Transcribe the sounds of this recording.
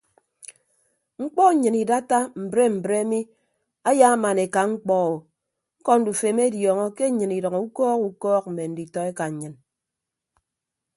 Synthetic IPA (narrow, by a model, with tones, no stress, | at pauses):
ŋ͡m̩˦k͡pɔ˦˨ɲɨ˨ni˨da˦ta˦m̩˨bɾe˦m̩˨bɾe˦mi˦ | a˦ja˦a˦ma˨ne˨ka˨ŋ͡m̩˦k͡pɔ˦˨o˨ | ŋ̩˦kɔ˦n̩˦du˨fe˨me˦djɔː˨ŋɔ˦ke˦ɲɨ˨ni˨dɔ˨ŋɔ˨u˦kɔː˦ku˨˦kɔː˦k̚m̩˨me˨n̩˦di˨tɔ˦e˦ka˨ɲ̩˨ɲɨ˨n